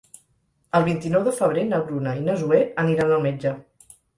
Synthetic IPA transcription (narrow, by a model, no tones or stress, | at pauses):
əlˠβint̪inɔwðəfəβ̞ɾenəɣɾunəinəzueəniɾanəlˠmed͡ʒə